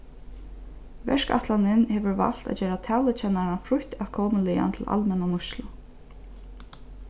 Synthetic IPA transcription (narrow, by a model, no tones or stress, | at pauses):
ʋɛ̰ʂka̰ht̪lanɪnhɛːʋəɹva̰l̥t̪a̰d͡ʑɛːɾat̪ʰɛːlɪt͡ɕʰɛnaɾanfɾʊht̪aʋkʰɔːmnliːa̰nt̪ʰɪlʔa̰lmɛnamʊʃlʊ